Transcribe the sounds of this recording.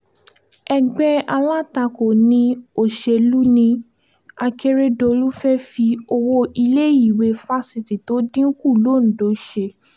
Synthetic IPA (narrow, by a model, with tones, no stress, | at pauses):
ɛ˧ɡ͡bɛ˦a˧la˦ta˧ko˨nĩ˧o˨ʃe˧lu˦nĩ˧ | a˧ke˧ɾe˦do˧lu˦fɛ˦fi˧o˧wo˧i˧le˦i˦˨we˧fa˦si˧˨ti˨to˨˦dĩ˦ku˦˨lo˨˦˨n̩˨do˨˦ʃe˧